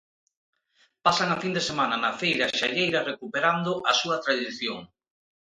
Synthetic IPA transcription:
pasaŋafind̪esemanɐnafejɾaʃaʎejɾɐrekupeɾand̪ʊʔasuɐt̪ɾaðiθjoŋ

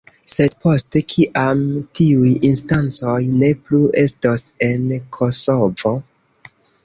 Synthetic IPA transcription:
se̞d̚po̞ste̞kʰiʔamtiujinstant͡so̞jne̞plue̞stose̞nkʰo̞so̞vo̞

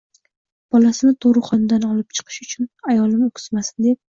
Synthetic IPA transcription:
b̥ɒlasɪnɪt̪ʰoɾɨχɒnɪd̪anɒlɪp̚t͡ʃʰɨ̥qʰɨ̥ʃʊt͡ʃʰʊnajɒlˠɪmokʲʰɪ̥smasɪnd̪e̞p̚

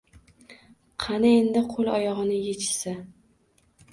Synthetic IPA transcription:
qʰɑnɪend̪ɪqʰolˠɒjɒʁɨnɪjet͡ʃʰɪ̥sɪ

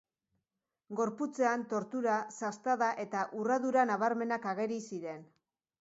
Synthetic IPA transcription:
ɡo̞ɾput͡se̞ant̪o̞ɾt̪uɾasast̪aðaʔe̞t̪aʔuraðuɾanaβ̞aɾme̞nakaɣe̞ɾisiɾe̞n

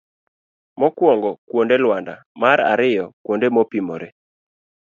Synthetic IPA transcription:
mɔkwɔŋɡɔkwondelwanda̰maɾa̰ɾɪjɔkwondemɔpimɔ̰ɾe

